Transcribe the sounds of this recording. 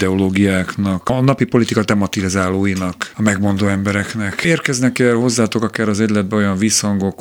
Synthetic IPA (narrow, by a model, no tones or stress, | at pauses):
d̪ɛoloːɡijaːknɒknɒpipo̞lit̪ikɒt̪ɛmɒt̪ilizaːloːjinɒkɒmɛɡmo̞nd̪oːɛmbɛɾɛknɛkeːrkɛznɛkɛlho̞zːaːt̪o̞kɒkaːɾɒzɛɟʲlɛd̪̚bɛo̞jɒɱviːshɒŋɡo̞k